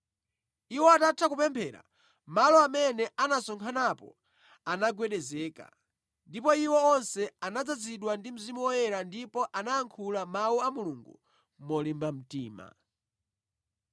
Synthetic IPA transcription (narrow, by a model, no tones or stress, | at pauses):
iwɔatatʰakupɛmpʰɛɾa̰ | malɔamɛnɛʔanasɔŋkʰanapɔ̰ | anaɡwɛɗɛzɛːka̰ | ndipɔiwɔɔnsɛanad͡zad͡ziɗwandim̩zimuwɔjɛɾandipɔʔanaːŋkʰulamauamuluŋɡṵ | mɔlimbam̩tḭːma̰